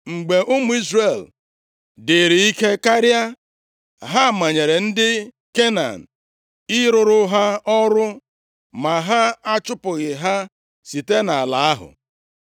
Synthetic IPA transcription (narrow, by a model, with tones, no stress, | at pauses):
ŋ͡m̩˨ɡ͡be˨ʔʊ˦mʊ˨i˦zre˨l | dɪ˨ɾi˨i˦ke˦ka˦ɾja˦ | ɦa˦˨ma˨ɲe˨ɾe˨n̩˦dɪ˦ | ke˦na̰˨n̩˨ | ɪ˦ɾʊ˨ɾʊ˦ɦa˦ɔ˦ɾʊ˦ | ma˨ɦa˦a˦t͡ʃʊ˦pʊ˨ɣɪ˨ɦa˦ | si˨te˦na˨a˨la˨a˦ɦʊ̰˨